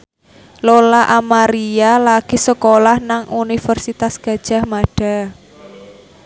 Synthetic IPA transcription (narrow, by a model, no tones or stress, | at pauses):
lolaʔamaɾialaɡ̥i̤səkolahnaŋunifərsit̪asɡ̥a̤d̥ʒ̥a̤hmaɖ̥a̤